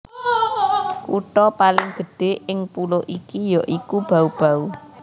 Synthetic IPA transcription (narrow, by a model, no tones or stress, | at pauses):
kuʈɔpalɪŋɡ̥ə̤ɖ̥e̤ɪŋpuloʔikijɔʔikub̥a̤ub̥a̤u